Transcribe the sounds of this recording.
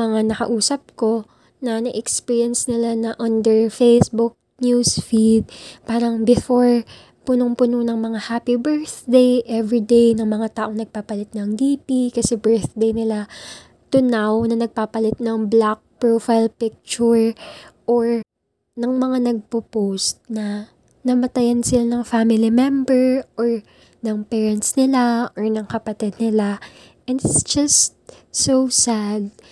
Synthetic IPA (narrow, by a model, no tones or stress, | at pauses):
ɐŋanɐkɐ̰ʔuːsɐp̚ko̞ | nɐnɐʔɛkspiːɹjɐnsnɪlanɐʔɐnd̪ɛɹfejsbʊk̚ | njusfid̪̚paːɾɐŋbɪfoɹ | pʊnoŋpʊnonɐŋmɐŋahaːpibɛɹθd̪ejʔɛvid̪ejnɐŋmɐŋat̪aːʔoŋnɐɡ̚paːpɐlɪt̪̚nɐŋd̪iːpikɐsɛbɛɹθd̪ejnɪla | t̪ʊnawnɐnɐɡ̚paːpɐlɪt̪̚nɐŋblak̚pɹofajlpɪk̚t͡ʃʊɹʔoɹ | nɐŋmɐŋanɐɡ̚popowst̪̚nɐ | nɐmɐt̪ɐjansɪlanɐŋfamɪlimɛmbɛɹʔoɹ | nɐŋpɛːɹɛnt̪snɪlaʔoɹnɐŋkɐpɐt̪ɪd̪̚nɪla | ʔɛnd̪ɪt̪sd͡ʒɐst̪̚ | sowsad̪̚